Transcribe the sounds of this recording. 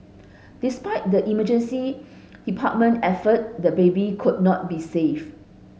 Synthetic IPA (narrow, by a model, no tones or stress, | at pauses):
dispaɪt̚dəʔiməd͡ʒə̃nsi | d̥ipʰat̚mə̃ntɛfət̚dəbebikʰud̚nɔt̚bisef